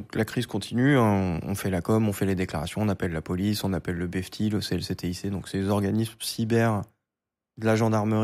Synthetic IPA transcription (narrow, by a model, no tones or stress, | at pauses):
klakχizkɔ̃t̪ʰinyɛ̃ɔ̰̃fɛlakɔmɔ̃fɛled̪eklaʁasjɔ̃ːnapɛlːapɔlisɔ̃napɛlːəbɛft̪ʰiləseɛlset̪eised̪ɔ̃ksezɔʁɡanismsibɛʁ | d̪əlaʒɑ̃d̪aʁməʁi